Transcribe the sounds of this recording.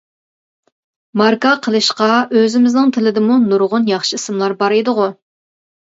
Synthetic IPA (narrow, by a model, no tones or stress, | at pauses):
mɑɾkɑqʰəlˠɨʃqɑøzɪmɪznɪŋt̪ʰɪlɪd̪ɪmunuɾʁʊnjɑχʃɨisɨmlˠɑɾbɑɾed̪ɨʁʊ